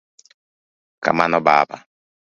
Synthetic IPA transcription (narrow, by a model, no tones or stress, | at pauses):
ka̰manɔbaba̰